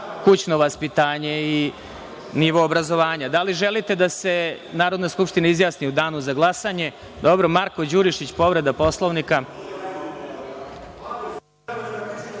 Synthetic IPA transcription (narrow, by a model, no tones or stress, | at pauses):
kut͡ɕno̞ʋaspit̪aːɲe̞i | niʋo̞ːbɾazo̞ʋaːɲad̪aliʒelit̪e̞d̪ase̞ | naːɾo̞d̪naskupʂt̪inaizjaːsniud̪aːnuzaɡlˠasaɲe̞ | d̪obɾo̞maɾkod͡ʑuɾiʃit͡ɕpo̞ʋɾe̞d̪apo̞slˠoʋnika